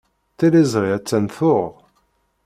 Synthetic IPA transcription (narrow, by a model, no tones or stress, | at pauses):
θilizʁiæt͡sːænθʊʁʁ